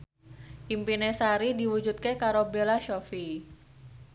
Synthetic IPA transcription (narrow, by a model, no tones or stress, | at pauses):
ʔimpinesaɾidiwud͡ʒut̪̚kekaɾobelaʃofi